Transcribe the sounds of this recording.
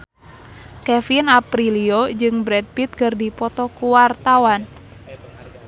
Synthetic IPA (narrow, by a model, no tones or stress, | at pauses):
kɛfinapɾiliod͡ʒɨŋbɾɛd̚pit̪̚kɨrdipɔt̪ɔkuwart̪awan